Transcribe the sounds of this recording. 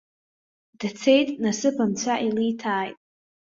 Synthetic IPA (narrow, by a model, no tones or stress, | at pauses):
d̥t͡sʰe̞jtʼnasɨpʰamt͡ɕʷʰaʔilitʰaːjtʼ